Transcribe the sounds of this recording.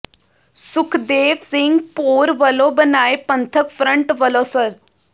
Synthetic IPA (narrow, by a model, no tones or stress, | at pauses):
sukʰd̪eʋsiŋɡpoɾʋəlobənajpənt̪ʰəkfɾəɳʈʋəlosəɾ